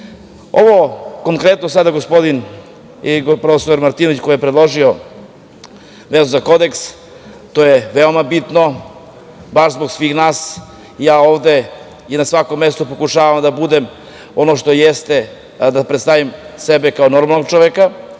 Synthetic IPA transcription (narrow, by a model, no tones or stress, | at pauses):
o̞ʋokoŋkɾet̪nosad̪aɡospo̞d̪in | ɡopɾofesoɾmaɾt̪iːnoit͡ɕko̞jijepɾed̪lˠo̞ʒio | ʋezuzako̞d̪e̞ks | t̪oːjeʋeomabit̪no̞ | baʃzboɡsʋiːxnaːs | jaːo̞ːʋd̪e̞ | inasʋako̞mːest̪opokuʂaːʋamd̪abud̪em | o̞noʃt̪o̞jest̪e | d̪apɾet̪st̪aʋimsebekaono̞ɾmalnoɡ̚t͡ʃoʋeka